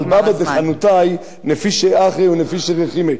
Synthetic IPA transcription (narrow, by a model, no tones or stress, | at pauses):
lbabad̪eχanut̪aj | nefiʃeaχeunefiʃeʁeχime